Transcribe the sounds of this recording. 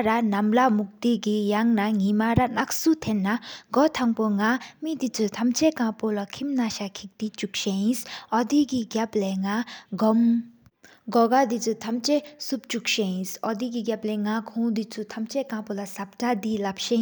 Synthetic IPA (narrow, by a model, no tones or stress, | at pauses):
ɾanamlamuk̚d̪iɡijaŋnaŋimaɾanak̚sut̪ʰenːaɡɔt̪ʰaŋpoŋamid̪it͡sʰut̪ʰamt͡ɕɛkapolakʰimnaɕakʰik̚d̪it͡ɕuk̚ɕejisɔd̪iɡiɡapleŋaɡɔm | ɡɔɡad̪it͡sʰut̪ʰamt͡ɕesup̚t͡ɕuk̚ɕejĩsɔd̪iɡiɡap̚lɛŋakʰũd̪it͡sʰut̪ʰamt͡ɕɛkapolasap̚ʈ͡ʂad̪ilap̚ɕe